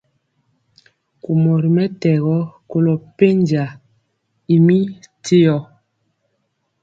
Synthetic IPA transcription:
ku˨mɔ˨ɾi˨mɛ˦tɛ˨ɣɔ˦ko˨lɔ˨pe˦nd͡ʒa˨ | i˨mi˦te˦jɔ˨

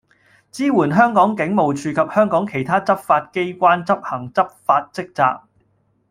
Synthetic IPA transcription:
t͡siː˥wuː˨˩nɦœː˥ŋkɔː˨˥ŋkɪ˨˥ŋmo˨wt͡ʃʰyː˧kʰɐ˨p̚hœː˥ŋkɔː˨˥ŋkʰe˨˩jt̪ʰaː˥t͡sɐ˥p̚faː˧t̚ke˥jkʷaː˥nt͡sɐ˥p̚hɐ˨˩ŋt͡sɐ˥p̚faː˧t̚t͡sɪ˥k̚t͡sa̰ː˧k̚

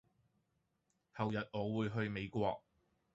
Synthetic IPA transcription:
hɐ˨wjɐ˨t̚ŋɔː˨˧wuː˨˧jɦɵ˧ɥme˨˧jkʷɔ̰ː˧k̚

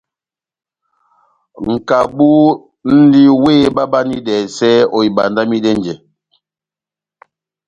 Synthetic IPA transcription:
ŋ̩˨ka˨bu˦ | n̩˦di˦weː˦ba˦ba˦ni˦dɛː˨sɛ˦ɔ˨i˨ba̰˨nda˦mi˦dɛ˦n˨d͡ʒɛ˨

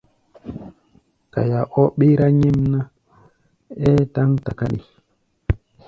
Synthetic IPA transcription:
ka̰˨ja˨ʔɔ˦ɓe˦ɾa˦ɲɛ˦mna˦ | ɛ˦ta˦ŋta˨ka̰˦ɗḭ˨

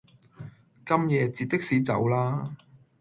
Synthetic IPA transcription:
kɐ˥mjɛː˨˧t͡siː˨˧t̚t̪ɪ˥k̚siː˨˧t͡sɐ̰˨˧wlaː˥

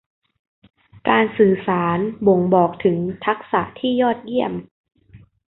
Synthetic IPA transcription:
kaː˧nsɯː˨˩saː˩˦nbo˨˩˦ŋbɔː˨˩k̚t̪ʰɯ˩˦ŋt̪ʰa˦˥k̚sa˨˩ʔt̪ʰiː˥˩jɔː˥˩t̪̚ji˥˩əm

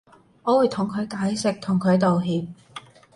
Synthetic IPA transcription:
ŋɔː˨˧wuː˨˧jt̪ʰʊ˨˩ŋkʰɵ˨˧ɥkaː˨˥jsɪ˨k̚t̪ʰʊ˨˩ŋkʰɵ˨˧ɥt̪̬o˨wɦiː˨p̚

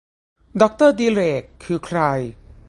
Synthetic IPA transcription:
dɔ˧k̚t̪əd̪iɾe˨kʰːu˨˩kʰɾa˧j

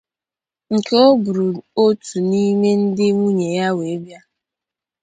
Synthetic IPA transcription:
ŋ̩˨ke˨o˦bʊ˨ɾu˨o˦tʰu˨ni˦me˦n̩˦dɪ˦ŋu˦ɲe˨ja˦we˨˦bja˦

